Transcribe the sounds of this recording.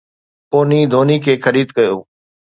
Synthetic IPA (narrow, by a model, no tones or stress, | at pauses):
poːniːd̪ʱoːnikʰeːxʰəɾiːd̪kəjo̰ː